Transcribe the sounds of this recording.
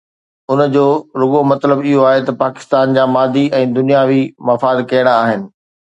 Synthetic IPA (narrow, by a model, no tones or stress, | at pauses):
ʊnd͡ʑoːɾʊɠomɐt̪ləbɪɦoaːɦet̪ɐpaːkɪ̥st̪aːnd͡ʑaːmaːd̪iʔɛ̃ːd̪ʊnijaʋimɐfaːd̪kɐjəɽ̃aaːɦɪnɪ̆